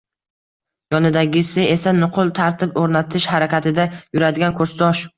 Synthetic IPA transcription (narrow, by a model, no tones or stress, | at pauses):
jɒnɪd̪aɡʲɪsɪe̞sanʊqʰʊlˠt̪ʰaɾt̪ʰɪpoɾnat̪ʰɪʃhaɾakʲʰat̪ʰɪd̪ajʊɾad̪ɪɡʲankʰɵɾst̪ɒʃ